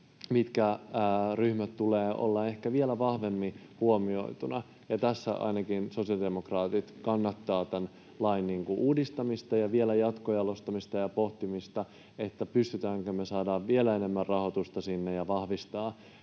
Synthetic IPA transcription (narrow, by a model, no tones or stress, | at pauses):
mit̪kæːryhmæt̪t̪ːuleːʔo̰lːɑe̞hkæʋielæʋɑhʋe̞mːi | huomio̞̰it̪unɑ | jɑt̪æsːæ̰ʔɑ̰inɑkinso̞siɑldemokrɑːt̪it̪kɑnːɑt̪ːɑːt̪æn | lɑinniːŋkuʔuːdist̪ɑmist̪ɑjɑʋielæjɑt̪kojɑlost̪ɑmist̪ɑjɑpoht̪imist̪ɑ | et̪ːæpyst̪yt̪æːŋkømesɑːdɑːʋʋielæene̞mːærrɑho̞t̪ust̪ɑsinːejɑʋɑhʋist̪ɑː